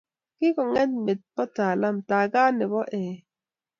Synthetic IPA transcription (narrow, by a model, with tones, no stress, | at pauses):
kɪ˦kɔ˨ŋɛ˦nme˨t̚pɔ˦ta˨la˦mta˨ɡa˦nɛ˨bɔ˦ʔɛ˨